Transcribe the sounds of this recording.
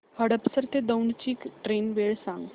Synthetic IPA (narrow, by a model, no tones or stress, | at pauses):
həɽəpsəɾt̪ed̪əwɳt͡ɕiːkʈɾenʋeɭsãŋɡ